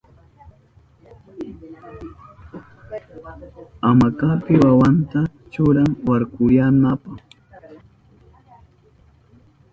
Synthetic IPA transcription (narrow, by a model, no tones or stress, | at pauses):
amakapɪwawant̪a | t͡ʃʊɾaŋwaɾkʊɾjanapaχ